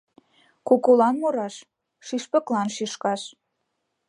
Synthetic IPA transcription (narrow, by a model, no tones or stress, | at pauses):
kokolɑnmoɾɑʃ | ʃiʃpə̆klɑnʃiʃkɑʃ